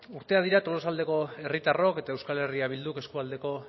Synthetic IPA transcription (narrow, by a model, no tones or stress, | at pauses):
uɾt̪e̞að̞iɾat̪o̞lo̞sald̪e̞ko̞e̞rit̪aro̞ke̞t̪ae̞wskale̞riaβ̞ild̪uke̞skuald̪e̞ko̞